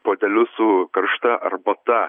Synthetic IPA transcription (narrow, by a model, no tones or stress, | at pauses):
poːd̪ʲɛlʲʊsʊkɐɾʃt̪ɐʔɐ̰ɾbɐt̪ɐ